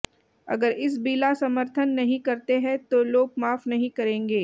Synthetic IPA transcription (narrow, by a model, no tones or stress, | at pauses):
ɐ̰ɡəɾɪs̬biːlasɐməɾt̪ʰənːɐɦĩkɐɾt̪eɦɛ̃t̪oloːɡ̚maːfnɐɦĩkɐɾẽːŋɡeː